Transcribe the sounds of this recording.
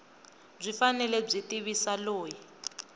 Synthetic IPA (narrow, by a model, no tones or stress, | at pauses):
b͡ʐʷifanɛlɛb͡ʐʷitiβisaloːji